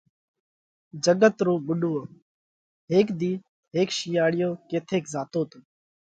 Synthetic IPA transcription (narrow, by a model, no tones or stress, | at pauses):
d͡ʒəɠət̪ɾoːɓʊɗoːo | ɦeːkd̪iː | ɦeːkʃijaːɽɪjoːkeːt̪ʰeːkzaːt̪oːt̪oː